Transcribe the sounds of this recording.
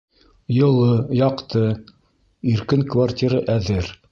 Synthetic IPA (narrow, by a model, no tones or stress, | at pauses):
jɤ̆lˠɤjɑqt̪ɤ | iɾkɘŋkvartʲiɾaʔæðɘɾ